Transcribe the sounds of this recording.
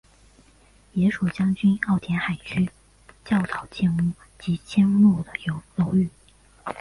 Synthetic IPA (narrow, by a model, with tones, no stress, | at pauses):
jɛ˧˥ʂu˨˩t͡ɕjɑ˥ŋt͡ɕy˥nɑ˥˩ʊt̪ʰjɛ˧˥nxa˨˩ɪt͡ɕʰy˥ | t͡ɕjɑ˥˩ʊt̪ɑ˨˩ʊt͡ɕjɛ˥˧nu˥˩ | t͡ɕi˧˥t͡ɕʰjɛ˥nlu˥˩d̪ə˩jo˧˥ʊo˧˥ʊy˥˩